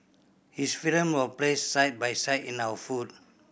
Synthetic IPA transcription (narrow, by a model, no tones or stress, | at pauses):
hisfilə̃mwɔplessajt̚bajsajtĩnawəfut̚